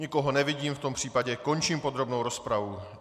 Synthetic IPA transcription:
ɲɪko̞ɦonɛvɪɟiːmft̪o̞mpr̥iːpaɟɛko̞nt͡ʃiːmpo̞d̪ɾo̞bnowɾo̞spɾavu

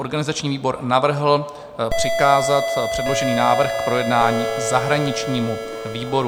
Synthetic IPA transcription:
o̞ɾɡanɪzat͡ʃɲiːviːbo̞ɾnavr̩ɦl̩ | pr̥ɪkaːzat̪pr̥ɛdloʒɛniːnaːvr̩xkpɾo̞jɛdnaːɲiːzaɦɾaɲɪt͡ʃɲiːmu | viːbo̞ɾu

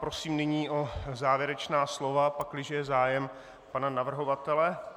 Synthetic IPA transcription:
pɾo̞siːmnɪɲiːʔo̞zaːvjɛɾɛt͡ʃnaːslo̞vapaklɪʒɛjɛzaːjɛm | pananavr̩ɦo̞vat̪ɛlɛ

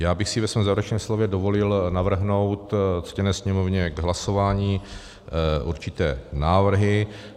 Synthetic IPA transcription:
jaːbɪxsɪvɛsvɛːmzaːvɛɾɛt͡ʃnɛːmslovjɛdovo̞lɪlnavr̩ɦno̞wt̪t͡scɛnɛːsɲɛmovɲɛɡɦlasovaːɲiː | ʔṵɾt͡ʃɪt̪ɛːnaːvr̩ɦɪ

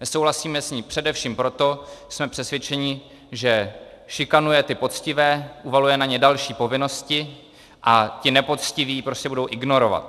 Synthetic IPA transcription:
nɛsowɦlasiːmɛsɲipr̥ɛdɛfʃiːmpɾo̞t̪o̞smɛpr̥ɛsvjɛt͡ʃɛɲɪ | ʒɛ | ʃɪkanujɛt̪ɪpo̞t͡scɪvɛːʔuvalujɛnaɲɛdalʃiːpo̞vɪno̞scɪ | ʔacɪnɛpo̞t͡scɪviːpɾo̞scɛbudo̞wʔɪɡno̞ɾo̞va̰t̪

